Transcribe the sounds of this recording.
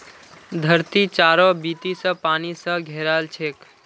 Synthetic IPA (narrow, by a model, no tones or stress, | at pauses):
d̪ʱəɾt̪it͡ʃaɾɔbit̪isə̃panisə̃ɡʱeɾalt͡ʃʰek